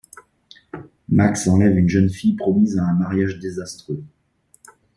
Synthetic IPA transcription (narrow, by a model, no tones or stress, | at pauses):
maksɑ̃lɛvynʒənfijpχɔmizaɛ̃maʁjaʒd̪ezast̪χø